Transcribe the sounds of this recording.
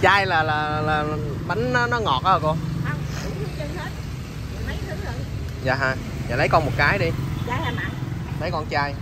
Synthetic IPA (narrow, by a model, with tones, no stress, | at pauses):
t͡ɕaː˧jlaː˨˩laː˨˩˨laː˨˩˨ɓa˨˦jŋ̟nɔ˨˦nɔ˨˦ŋɔ˨˩t̚ʔaː˧˨˩ko˧a˧˩wŋ͡mɗʊ˨˦˧zə˧˨ŋhəː˨˦˥t̚ | mə˨˦jt̪ʰɨ˨˦ŋzo˨˩ | za̰ː˨˩ɦaː˧˩ | jaː˨˩lə˨˦jkɔ˧nmo˨˩t̚kaː˨˦jɗi˧zaː˨˩laː˨˩ma˨˧˩lə˨˦jkɔ˧nt͡ɕaː˧j